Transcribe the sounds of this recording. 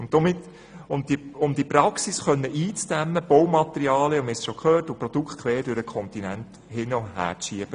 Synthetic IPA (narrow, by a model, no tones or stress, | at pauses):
ʊntdomɪt̪ | ʊnd̥iʊmd̥̪ipɾɑksisχœnːəʔiːt͡sd̥æmːəb̥owmɑt̪ɛɾiɑːljəʊmɛsʃokʰøːtuprɔd̥̪ukʰt̪kʰʋɛːɾdøɾəkʰɔnt̪inænt | hɪnəʊɦæ̰ːɾt͡sʃiəb̥ə